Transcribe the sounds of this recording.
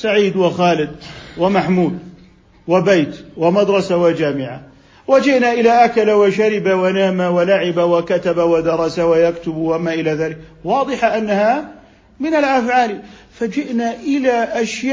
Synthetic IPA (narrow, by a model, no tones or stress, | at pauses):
saʕiːd̪wɪxaːlɪd̪̚wɪmaħmuːd̪ | wɪbajt̪wɪmad̪ɾˤɑsawɪd͡ʒaːmɪʕa̰ | wad͡ʒɪʔnaʔɪlaʔakalawɪʃaɾɪbawanaːmawalaʕɪbawakat̪abawad̪ɑɾˤɑsawajakt̪ʊbwamaʔɪlaðaːlɪkwɑːd̪ˤɨħaʔanːaha | mɪnalʔafʕaːli | fad͡ʒɪʔnaʔɪlaʔaʃja